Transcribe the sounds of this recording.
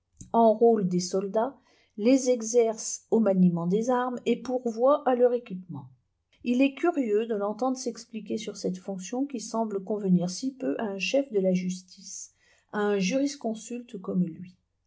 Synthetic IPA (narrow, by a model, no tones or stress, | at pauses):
ɑ̃ʁold̪esɔld̪a | lezɛɡzɛʁsomanimɑ̃d̪ezaʁmepuʁvwaʔalœʁekʲipmɑ̃ | ilɛkʲyʁjød̪əlɑ̃t̪ɑ̃d̪ʁəsɛksplikʲesyʁsɛt̪fɔ̃ksjɔ̃kʲisɑ̃bləkɔ̃vəniʁsipøʔaɛ̃ʃɛfd̪əlaʒyst̪is | aɛ̃ʒyʁiskɔ̃sylt̪kɔmlɥi